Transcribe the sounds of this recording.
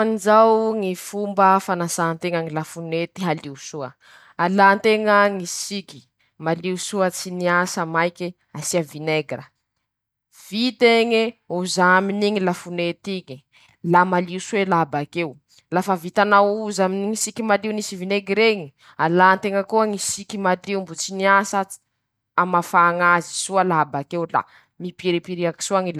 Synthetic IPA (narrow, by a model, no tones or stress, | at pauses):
anid͡ʒawŋifumbəfanasant̪eŋaŋilafunet̪iɦaliusuə̰ | alant̪eŋəŋisiki̥ | maliusuət͡siniasamajki | asiavineɡrə | v̥it̪eŋiuzaaminiŋilafunet̪iɲi | lamaliusuelabakew | lafavit̪anauzaminiŋisikimaliunisivineɡiɾeɲi | alant̪eŋəkuaŋisikimad̪iumbut͡siniasḁ | amafaŋazi̥suəlabakewla̰ | mipiɾipiɾiaki̥suaŋila